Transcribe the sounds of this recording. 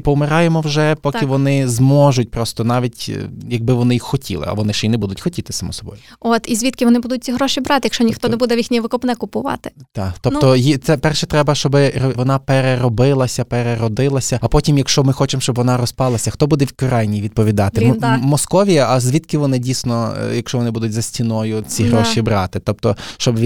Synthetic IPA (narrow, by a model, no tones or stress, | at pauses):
pɔʊmɪɾɑjemɔwʒɛpɔkʲɪʋɔnɪzmɔʒʊtʲpɾɔst̪ɔnɑʋʲitʲjɐɡ̚bɪʋɔnɪjixxːɔtʲḭlˠɪ̰ɐ̰ʋɔnɪʃt͡ʃɛinɛbud̪ʊtʲxɔtʲit̪ɪ̥sɐmɔ̰sɔbɔ̰jʊɔt̪izʲʋʲit̪kɪʋɔnɪbud̪ʊt̚ʲt͡sʲiɦɾɔʃibɾɑt̪ɪjɐkʃt͡ʃɔnʲixt̪ɔɛbud̪ɛʋjixnʲijʋɪkɔpnɛkʊpʊʋɑ̰t̪ɪ̥t̪ɑt̪ɔp̪ɔjit̪sɛpɛrʃɛt̪ɾɛbɐʃt͡ʃɔbɪrʋɔnɑpeɾeɾɔbɪlˠɐsʲɐpeɾeɾɔd̪ɪlˠɐsʲɐɐpɔtʲimjɐkʃt͡ʃɔmɪxɔt͡ʃemʃt͡ʃɔbʋɔnɑɾɔspɑlˠɐsʲɐxt̪ɔbud̪ɛʋʲkɔɾɑjnʲijʋʲid̪̚pɔʋʲid̪ɑt̪ɪmɔskɔʋʲiɐɐzʲʋʲid̪kɪʋɔnɪdʲijsʲnɔjɐkʃt͡ʃɔʋɔnɪbud̪ʊtʲzɐsʲtʲinɔjʊt͡sʲiɦɾɔʃibɾɑt̪ɪt̪ɔpt̪ɔʃt͡ʃɔb